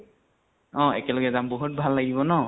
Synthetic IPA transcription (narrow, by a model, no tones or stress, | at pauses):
ɔ̃ɛkɛlɔɡɛzambɔɦut̚bʱalːaɡibɔnɔ